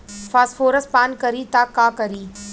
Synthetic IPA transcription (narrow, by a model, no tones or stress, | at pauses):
faːsfoːɾəspaːnkɐɾiːt̪aːkãːkɐɾiː